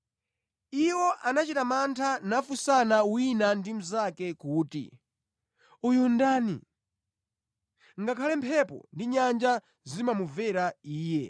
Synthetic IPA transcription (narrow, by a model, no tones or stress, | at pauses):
iwɔʔanat͡ʃitamantʰanafusanawinandim̩zakɛkuːtḭ | ujundaːnḭ | ŋɡakʰalɛmpʰɛpɔ̰ndiɲand͡ʒa | zimamuvɛɾaiːjɛ